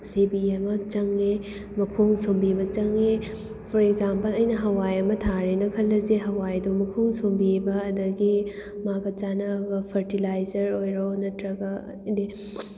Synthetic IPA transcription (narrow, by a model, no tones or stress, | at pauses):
sebiɐmɐt͡ʃɐŋe | mɐkʰoŋsombibɐt͡ʃɐŋe | pʰɔɾekzampɐlɐjnɐɦɐwajɐmɐtʰaɾenɐkʰɐlːɐzeɦɐwajdumɐkʰoŋsombibɐːdɐɡimaɡɐt͡ʃanɐɡɐpʰɐɾtilajzɐɾojɾonɐtɾɐɡɐ | di